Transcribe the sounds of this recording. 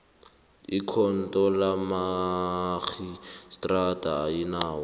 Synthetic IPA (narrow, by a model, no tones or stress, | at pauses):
ikʰɔn̩tʼɔlama | ɣistʼratʼaːinaːwɔ